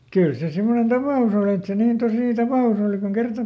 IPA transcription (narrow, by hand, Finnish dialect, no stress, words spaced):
kyl se simːonen tɑpɑˑus oli et se niːn tosiˑ tɑpɑˑus oˑli kuŋ kertɑ